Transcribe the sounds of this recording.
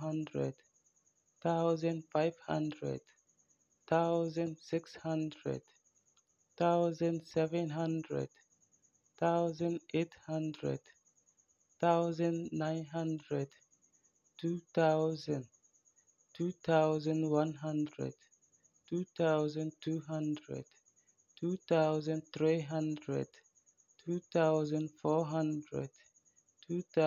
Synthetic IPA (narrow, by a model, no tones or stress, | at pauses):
ɦãndɹɛ̰d | t̪aʊzə̃ndfaɪvhã̰ndɹɛ̰d̥ | t̪aʊzə̃ndsɪkshãndɹɛ̰d̥ | taʊzə̃ndsɛvɛ̃nɦãndɹɛ̰d̥ | t̪aʊzə̃ndʔethãndɹɛ̰d̥ | t̪aʊzə̃nnãɪ̃nɦãndɹɛd | tʰutaʊzə̃n | tʰut̪aʊzə̃nwʌ̃nɦʌ̃ndɹə̰d̥ | tʰut̪aʊzə̃ntʰuɦʌ̃ndɹə̰d̥ | tʰutaʊzə̃nθɹiɦʌ̃ndɹə̰d̥ʰ | utaʊzə̃nfɔɦʌ̃ndɹə̰d̥ | tʰu